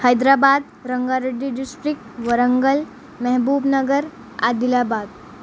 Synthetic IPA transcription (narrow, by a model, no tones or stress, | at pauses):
hajd̪ɾabad̪ | ɾəŋɡaɾəɖiɖisʈɾik̚ʈʋəɾəŋɡəl | mɛɦbuːbnəɡəɾ | a̰d̪ilabad̪